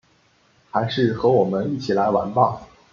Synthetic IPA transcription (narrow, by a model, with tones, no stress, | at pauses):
xa˧˥ɪʂɻ̩˥˩xɤ˧˥wɔ˨˩mə˦ni˥˩t͡ɕʰi˨˩la˧˥ɪwa˧˥npɑ˥˩